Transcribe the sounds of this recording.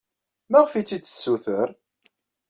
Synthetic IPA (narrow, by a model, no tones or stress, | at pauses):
mæʁəfit͡sːit͡sːə̥sːuθəɾ